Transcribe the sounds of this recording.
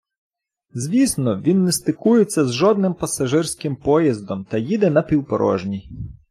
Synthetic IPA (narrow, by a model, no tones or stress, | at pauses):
zʲʋʲisnɔʋʲinːɛst̪ɪkujet͡sʲːɐzʒɔd̪nɪmpɐsɐʒɪrsʲkɪmpɔjizd̪ɔmt̪ɐjid̪ɛnɐpʲiwpɔ̰ɾɔ̰ʒnʲi